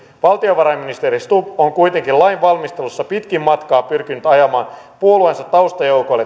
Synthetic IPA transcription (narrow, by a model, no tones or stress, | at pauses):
ʋɑlt̪io̞ʋɑɾɑjmːinist̪eɾist̪upoŋkujt̪e̞ŋkilɑjnʋɑlmist̪e̞lusːɑpit̪kimmɑt̪kɑːpyrkinːyt̪ɑjɑmɑːnpuoluensɑt̪ːɑust̪ɑjo̞wkojlːe